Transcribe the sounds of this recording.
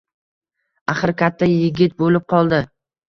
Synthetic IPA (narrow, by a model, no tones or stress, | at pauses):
aχɨɾkʲat̪ʰːajɪɡʲɪt̪̚bolɪp̚qʰɒlˠd̪ɪ